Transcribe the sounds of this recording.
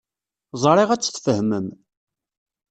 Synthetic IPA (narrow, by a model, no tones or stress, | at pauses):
zˤɾˤiʁæt͡sːθfəhməm